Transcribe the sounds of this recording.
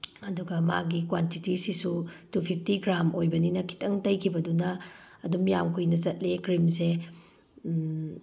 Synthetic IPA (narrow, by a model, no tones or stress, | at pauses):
ɐduɡɐma̰ɡikwantitisisutupʰip̚ʰtiɡɾamojbɐninɐkʰi̥tɐŋtɐjkʰibɐdunɐː | dumjamkʰujnɐt͡ʃɐt̚lekɾimse